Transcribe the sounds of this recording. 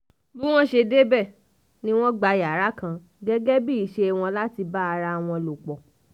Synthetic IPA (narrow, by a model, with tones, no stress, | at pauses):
lu˦w̃ɔ̃˦ʃe˧de˦bɛ˦˨ | nĩ˦w̃ɔ̃˦ɡ͡ba˧i˨a˨˦ɾa˦kã˧ | ɡɛ˦ɡɛ˦bi˦i˨ʃe˧˨w̃ɔ̃˧la˦ti˧ba˦a˧ɾa˧w̃ɔ̃˧lo˨k͡pɔ˨